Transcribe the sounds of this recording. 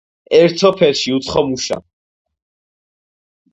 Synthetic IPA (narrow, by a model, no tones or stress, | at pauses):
ɛɾt̪ʰɔpʰɛlʃiut̪sχɔmuʃa̰